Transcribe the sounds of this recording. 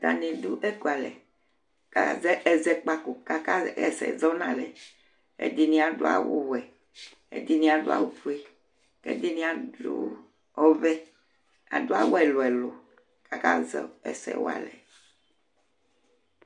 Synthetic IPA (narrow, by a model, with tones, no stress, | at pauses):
d̪a˨nẽ˨d̪u˦ʔe˦ku˨a˨lɛ̰˨ | ka˨zɛ˦ʔɛ˦zɛ˦k͡pa˦ku˨ka˦ka˦ɛ̰˨sɛ̰˨zɔ˦nã˦lɛ˨ | ḛ˦d̪i˦nĩ˦a˨ɖo˦a̰˦wo˦wɛ˨ | ḛ˦d̪i˦nĩ˦˨a˨do˦a̰˦˨wu˨ɸu˦e˦ | kḛ˦d̪i˦nĩ˦a˨du˦ | ɔ˦vɛ˦ | a̰˨do˦a˦wo˦ɛ˨lo˨ɛ˨lo˨ | ka˦ka˦zɛ˦ɛ˨sɛ̰˦w̰a̰˨lɛ˨